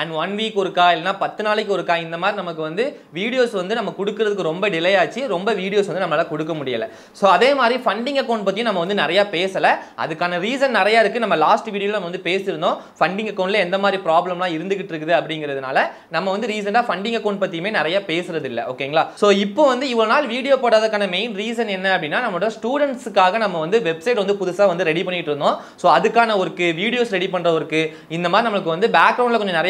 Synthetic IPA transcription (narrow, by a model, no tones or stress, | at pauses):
ɐɳʋɐnʋiːkɔɾɯkːaːɪlːɐnːaːpɐt̪ːɯnaːlɪkːɔɾɯkːaːɪnd̪ɐmaːd̪ɾinɐmɐkːɯʋɐnd̪ɯ | ʋiːɽɪjoːsʋɐnd̪ɯnɐmːɐkɔɽɯkːɯɾɐðɯkːɯɾɔmbɐɖɪlɐjaːt͡ʃːɯɾɔmbɐʋiːɽɪjoːsɐnd̪ɯnɐmɐnːlaːkɔɽɯkːɐmʊɽɪjɐ̰lɛ̰ | soːɐðeːmaːd̪ɾifɐɳɖɪŋɡɐkːɐʊɳɖpɐt̪ːjʊ̃nɐmːɐʋɐnd̪ɯnɪɾɐjaːpeːsɐlɐʔɐ̰ðɯkːaːnɐɾiːs̬ɐnnɪɾɐjaːɪɾɯkːɯnɐmːɐlaːsʈʋiːɽɪjoːlːɐnɐmːɐʋɐnd̪ɯpeːsɪɾɯnd̪õː | fɐɳɖɪŋɡɐkːɐːɳnɪlɐɛnd̪ɐmaːd̪ɾipɾaːblɐmlãːɪɾɯnd̪ɯk̬ːɪʈːɾɯkːɯðɯɐpːɐɽɪŋɡɪɾɐðɯna̰ːlɐ | nɐmːɐʋɐnd̪ɯɾiːs̬ɐnɖaːfɐɳɖɪŋɡɐkːɐʊɳpɐt̪ːijɯmeːnɪɾɐjaːpeːsɯɾɐðɪlːɛ̰ʔo̰ːkːeːŋɡɐɭaːsoːɪpːoːʋɐnd̪ɯɪʋɐɭonaːlʋiːɽɪjoːpoːɽaːðɐɾkːaːnɐmeɪnɾiːs̬ɐnɛnːɐɐpːɐɽɪnːaːnɐmɐɭoɽɐjɐsʈuːɽɛɳʈsɯkːaːɣɐnɐmːɐʋɐnd̪ɯʋɛbsɐɪʈ̬ʋɐnd̪ɯpʊðʊsaːʋɐnd̪ɯɾɛɽipɐɳːɪkːɪʈːɪɾɯnd̪õː | soːɐðɯkːaːnɐɔɾɯkːɯʋiːɽɪjoːsɾɛɽipɐɳːɾɐɐɾɯkːɯ | ɪnd̪ɐmaːd̪ɾinɐmɐɭɯkːɯʋɐnd̪ɯbaːkːɾɐʊ̃ɳnlɐkɔɲd͡ʒɔnɪɾɐj